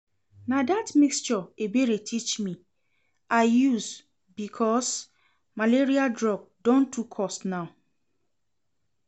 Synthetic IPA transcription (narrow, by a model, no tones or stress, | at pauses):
nadatmikst͡ʃɔebeɹetʰit͡ʃmi | aɪjuz | bikʰɔs | maleɹialdɹɔɡ̚dɔ̃ntʰukʰːɔstnaʊ